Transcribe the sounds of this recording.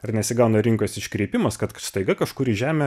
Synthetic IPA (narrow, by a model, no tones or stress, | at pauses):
ɐrnʲɛsʲɪɡɐʊnɐɾʲɪŋkoːsɪʃʲkɾʲiːpʲɪmɐskɐt̪st̪ɐɪɡɐkɐʃkʊɾɪʒʲæːmʲɛ